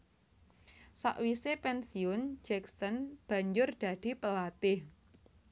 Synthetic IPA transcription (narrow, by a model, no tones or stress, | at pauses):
sa̰ʔwisepɛnsiʊnd͡ʒɛksənb̥a̤ɲd͡ʒʊrd̪̥ä̤d̪̥i̤pəlat̪ɪh